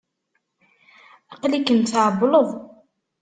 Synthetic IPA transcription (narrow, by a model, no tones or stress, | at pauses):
æqlikənt͡sʕəbləðˤ